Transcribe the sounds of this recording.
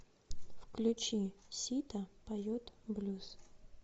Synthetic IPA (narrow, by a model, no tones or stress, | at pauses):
fklʲʉt͡ɕisʲit̪əpɐjot̪blʲus